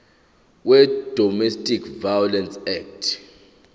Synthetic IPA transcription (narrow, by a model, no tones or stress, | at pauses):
wɛd̥ʱɔmɛstʼikʰvajɔlɛnsɛk̚tʰ